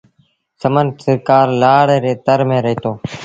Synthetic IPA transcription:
səmənsəɾkaːɾlaːɽeːɾeːt̪əɾmẽːɾəɦiːt̪ʰoː

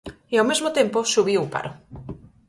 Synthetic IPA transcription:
iawmezmot̪emposuβ̞iupa̰ɾo

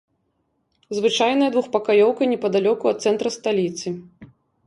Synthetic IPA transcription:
zvɨt͡ʂajnɐjɐd̪vuxpɐkajɔwkɐjnʲɛpɐd̪alʲɔkuɐt̪t̪sɛnt̪ɾɐst̪alʲit̪sɨ

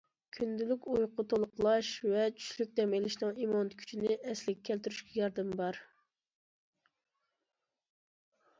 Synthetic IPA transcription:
kʲʰynd̪ylykʲujqʰʊt̪ʰolˠqʰəlˠɑʃvɛt͡ʃʰy̥ʃlyk̚ʲd̪ɛmelɪʃnɨŋimont̪kʲʰy̥t͡ʃʰinɪʔɛslɪkʲɛkʲʰːɛlt̪yɾyʃkʲɛjɑɾd̪ɨmbɑɾ

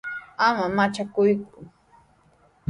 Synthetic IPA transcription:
amamat͡ʃakʊjkʊ

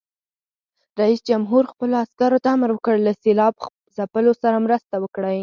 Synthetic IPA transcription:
ɾaisd͡ʒamɦuɾxpəloaskaɾot̪aaməɾwəkəɽlaselɑb | zapəlosaɾamɾəst̪awəkɽaj

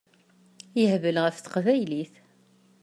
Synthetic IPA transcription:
jəhvəlʁəfθə̥qvæjliθ

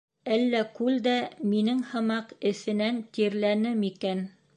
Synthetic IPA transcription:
ælːækʉld̪æminɘŋhɤ̆mɑqɘ̆θɘ̆nænt̪iɾlænɘmikæn

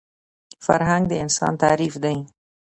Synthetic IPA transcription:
fa̰ɾɦaŋɡ̚d̪əɪnsɑ̰nt̪aːɾifd̪aĩ

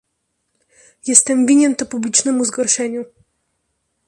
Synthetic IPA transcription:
jɛst̪ɛmvʲiɲɛnt̪ɔpublʲit͡ʂnɛmuzɡɔɾʂɛɲu

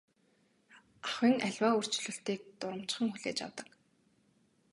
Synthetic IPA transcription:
aχwiːŋʔaɮʲwaːɵr̥t͡ɕɮɵ̆ɬt̪iːk̚t̪ʊɾə̆m̥t͡ɕχə̆ŋxuɮeːt͡ɕa̰wt̪ə̆k

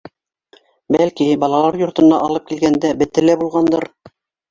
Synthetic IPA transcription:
bælkibɑlˠɑlˠɑɾjŏɾt̪ɤ̆nɑʔɑlˠɤp̚kilɡænd̪æbɘ̆t̪ɘ̆læbulˠʁɑnd̪ɤɾ

